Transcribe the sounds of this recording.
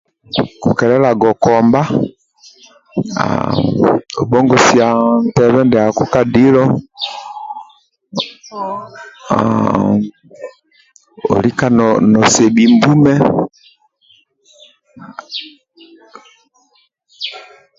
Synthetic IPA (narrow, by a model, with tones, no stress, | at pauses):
ku˨kɛ˨lɛ˦la˨ɡɔ˨kɔ˨mba˦ | a̰˨ | o˨bɔ˦ŋɡɔ˨si˨a˨n˨tɛ˨βɛ˦ndɛ˨a˨ku˦ka˦di˦lɔ˦ | o̰˨li˦ka˨nɔnɔ˨sɛ˨bi˨mbu˦mɛ˦